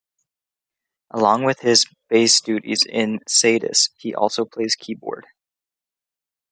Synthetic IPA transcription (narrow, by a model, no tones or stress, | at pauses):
ʔəlɔ̃ŋwɨð̥ɪzb̥eɪsd̥ʉɾḭzɪ̃nseɪɾɨ̰shiʔɔ̰lˠsoʊpʰl̥eɪz̥kʰibɔ̰ɹd̥